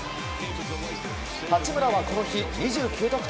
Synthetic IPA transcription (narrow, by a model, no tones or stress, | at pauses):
hat͡ɕimɯ̟ɾaβakooçʲiɲ̟iʑɨːkʲɨːt̪okɯ̟̥